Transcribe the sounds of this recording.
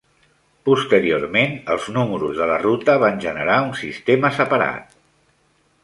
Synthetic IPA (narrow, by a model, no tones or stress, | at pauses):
pust̪əɾioɾmenəlˠznuməɾuzðələrut̪əβanʲʒənəɾaunsist̪eməsəpəɾa̰t̪̚